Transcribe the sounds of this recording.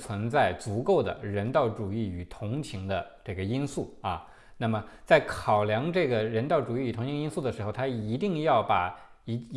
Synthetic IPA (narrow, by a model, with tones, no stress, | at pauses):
t͡sʰwə˧˥nt͡sa˥˩ɪt͡su˧˥ko˥˩ʊd̪ə̰˩ɻə˧˥nt̪ɑ˥˩ʊʈ͡ʂu˨˩i˥˩y˨˩t̪ʰʊ˧˥ŋt͡ɕʰi˧˥ŋd̪ə˧ʈ͡ʂɤ˥˩ɡə˩i˥nsu˥˩ɐ˧ | na˥˩mə˩t͡sa˥˩ɪkʰɑ˨˩ʊljɑ˧˥ŋʈ͡ʂɤ˥˩ɡə˩ɻə˧˥nt̪ɑ˥˩ʊʈ͡ʂu˨˩i˥˩y˨˩t̪ʰʊ˧˥ŋt͡ɕʰi˧˥ŋi˥nsu˥˩d̪ə˩ʂɻ̩˧˥xo˧ʊt̪ʰa˥i˧˥t̪i˥˧ŋjɑ˥˩ʊpa˨˩˧